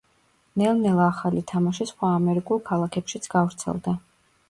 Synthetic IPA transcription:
nɛlˠnɛlˠaːχalit̪ʰamaʃisχwaːmɛɾikʼulˠkʰalˠakʰɛpʃit̪sʰɡ̥avɾt̪sʰɛ̰lˠd̪a

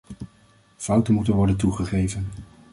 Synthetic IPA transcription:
fɑwtənmutənʋɔɹdənt̬uχəχejvən

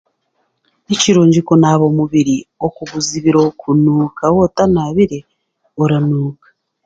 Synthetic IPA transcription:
niciɾuːɲɟikonaβo̞muβiɾiokuβuziβiɾokʰunuːkawotanaβiɾe̞ | oɾanuːkḁ

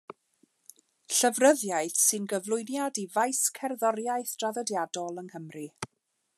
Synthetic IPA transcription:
ɬəvrəðjaɨθsɨnɡəvlˠʊɨnjadivajskʰɛrðɔɾjajθd̥raðədjadɔlˠəŋhəmri

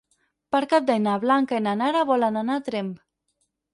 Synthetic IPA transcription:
paɾkap̚d̪ajnaβlaŋkaenanaɾaβɔlananat̪ɾemp

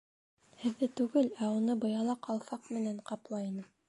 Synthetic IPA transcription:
hɘ̆ðːɘt̪ʉɡɘlæunɤbɤ̆jɑlˠɑqʰɑlˠfɑqmɘ̆næɴqɑplˠɑinɤ

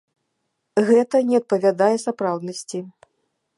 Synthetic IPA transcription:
ɣɛt̪ɐnʲɛɐt̪̚pɐvʲad̪ajɛsapɾawd̪nɐsʲt͡sʲi

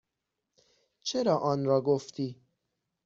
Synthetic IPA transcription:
t͡ʃʰe̞ɾɒːʔɒːnɾɒːɡoft̪ʰiː

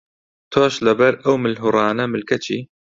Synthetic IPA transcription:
t̪ʰoːʃlɐbɐɾɐwmɨlɦuɾˤɑːnɐmɨlkʰɐt͡ʃʰiː

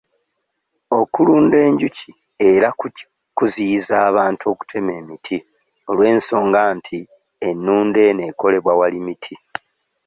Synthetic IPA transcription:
o̞kuluːnde̞ːɲɟuci | e̞ɾa | kuziizaːβaːnto̞ku̥tʰe̞me̞ːmitʰi | o̞lwe̞ːnso̞ːŋɡaːntʰi | e̞nːuːnde̞ne̞ːko̞le̞βwawalimitʰi

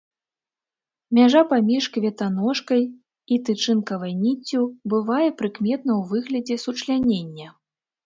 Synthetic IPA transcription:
mʲaʐapamʲiʂkvʲɛt̪an̪ɔʂkɐj | it̪ɨt͡ʂɨnkɐvɐjnʲit͡sʲːubɨvajɛpɾɨkmʲɛt̪̚nɐwvɨɣlʲɐd͡zʲɛsut͡ʂlʲanʲenʲːɐ

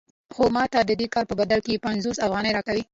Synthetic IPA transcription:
xomɑt̪ad̪əd̪ekɑɾpəbad̪alkepanzosafɣɑnəjɾɑkawi

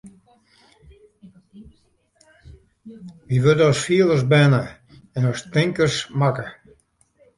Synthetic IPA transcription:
ʋiʋødɔsfiəlˠəsbɛnə | ɛnɔstɪŋkərsmakə

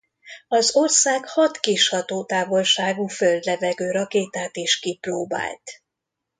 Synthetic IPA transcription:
ɒzo̞rsaːkhɒt̪kiʃhɒt̪oːt̪aːvo̞lʃaːɡuːføld̪lɛvɛɡøːɾɒkeːt̪aːt̪eːʃkiproːba̰ːlt̪

